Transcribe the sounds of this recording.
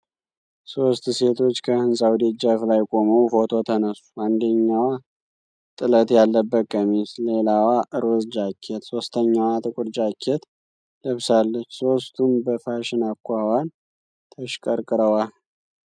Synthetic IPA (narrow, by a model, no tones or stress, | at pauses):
so̞st̪se̞t̪ʰo̞t͡ʃːkʰəhɨnsʼawd̪ed͡ʒaflajkʼo̞məwfo̞t̪ʰo̞t̪ʰənəsu̥and̪əɲːawa | t̪ʼɨlət̪jalːəbːəkʼːəmisle̞lawaʔɨɾosd͡ʒakʰːet̪so̞st̪ʰəɲːawat̪ʼɨkʼʊɾd͡ʒakʰːet̪ | ləβsalːət͡ʃːso̞st̪ʰumbəfaʃɪnakʰʷːawan | t̪ʰəʃkʼəɾkʼɨɾəwal